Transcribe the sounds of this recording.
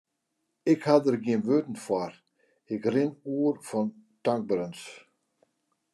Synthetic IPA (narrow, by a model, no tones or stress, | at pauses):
ɪkhad̪əɾɡjinʋøːt̪n̩fwaɾ | ɪkrɪnuːɾfɔnt̪aŋk̚bɾəns